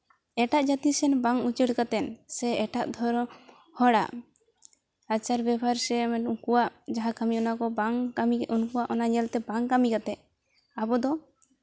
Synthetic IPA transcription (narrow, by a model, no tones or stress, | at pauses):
ɛʈaʔd͡ʒat̪isɛnbaŋut͡ʃəɽkat̪ɛnsɛɛʈa̰ʔd̪ʱɔɾɔ | hɔɽa̰ʔ | at͡ʃaɾbɛbʱaɾsɛmɛnuŋkuwaʔd͡ʒaɦakamiɔnakɔbaŋamiʔunkuwaʔɔnaɲɛlt̪ɛbaŋkamikat̪ɛʔ | abɔd̪ɔ